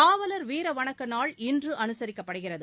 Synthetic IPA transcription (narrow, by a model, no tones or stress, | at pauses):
aːʋɐlɐɾʋeːɾɐʋɐɳɐkːɐnaːɭɪndrɯʔɐnɯsɐɾɪkːɐpːɐɽɯɣɪrɐðɯ